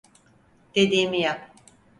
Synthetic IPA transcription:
t̪ed̪imija

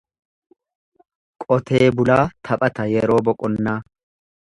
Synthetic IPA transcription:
kʼɔt̪ʰeːbʊlaːt̪ʰɐpʼɐt̪ɐjɛɾoːbɔkʼɔnːa

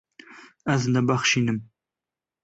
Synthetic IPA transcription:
ɐznɐbɐχʃinɨm

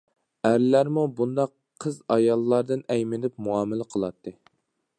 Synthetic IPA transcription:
æɾlæɾmubund̪ɑqʰːəzɑjɑlˠːɑɾd̪ɨnɛjmɪnɪpmuɑːmɪlɪqʰəlˠɑt̪ːɨ

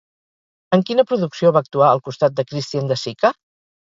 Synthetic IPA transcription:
əŋkinəpɾuðuksioβaːk̚t̪uaəlˠkust̪at̪̚d̪əkɾist̪iənd̪əsikə

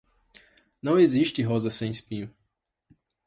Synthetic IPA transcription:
nɐ̃w̃eziʃt̪ɪɦɔzɐsẽj̃spĩɲʊ

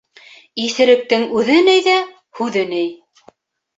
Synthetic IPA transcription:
iθɘ̆ɾɘ̆k̚t̪ɘŋʉðɘnɘjðæ | hʉðɘnɘj

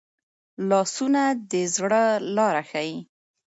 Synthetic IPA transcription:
lɑsunad̪əzɽəlɑɾaxaji

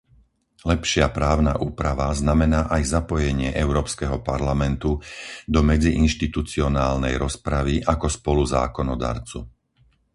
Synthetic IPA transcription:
lɛpʃɪapɾaːʊna̰ʔuːpɾaʋaznamɛnaːʔajzapɔjɛɲɪɛʔɛʊɾɔːpskɛɦɔpaɾlamɛnt̪ud̪ɔmɛd͡ziʔinʃt̪it̪ut͡siɔnaːlnɛ̰jɾɔspɾaʋiʔakɔspɔluza̰ːkɔnɔd̪a̰ːɾt͡su

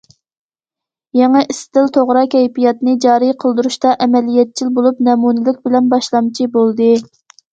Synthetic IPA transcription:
jeŋɨʔist̪ɪlt̪ʰoʁɾɑkʲɛjpijɑt̪nɨd͡ʒɑːɾijqʰəlˠd̪uɾuʃt̪ɑʔɛmɛlijɛt̪̚t͡ʃʰilbolˠupnɑmunɪlɪk̚ʲbɪlɛnbɑʃlˠɑmt͡ʃʰibolˠd̪ɨ

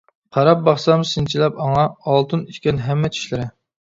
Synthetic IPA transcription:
qʰɑɾɑp̚bɑχsɑmsɨnt͡ʃʰilɛpɑŋɑːlˠt̪ʰunit̪kʲɛnɦɛmːɛt̪ʰi̥ʃlɪɾɪ

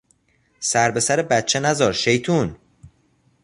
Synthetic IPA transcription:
sæɾbe̞sæɾebæt̪̚t͡ʃʰenæzɒːɾʃejt̪ʰuːn

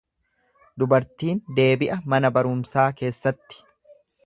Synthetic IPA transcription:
d̪ʊbɐɾt̪iːnd̪e̞ːbɪʔɐmɐnɐbɐɾʊmsaːke̞ːsːɐt̪ːɪ̥

